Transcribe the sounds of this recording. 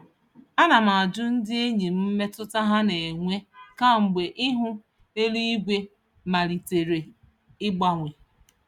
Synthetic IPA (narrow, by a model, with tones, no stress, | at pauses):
a˦na˨m̩a˨a˨d͡ʒʊ˦n̩˦dɪ˦e˦ɲi˨m̩˦m̩˦me˦tʊ˦ta˦ɦa˦ne˨e˨ŋʷe˦ka˦˨ŋ͡m̩˨ɡ͡be˨ʔɪ˦ɦʊ˦ | e˦li˦i˦ɡʷe˦ | ma˨ɾi˨te˨ɾe˨ | ɪ˦ɡ͡ba˨ŋʷe˨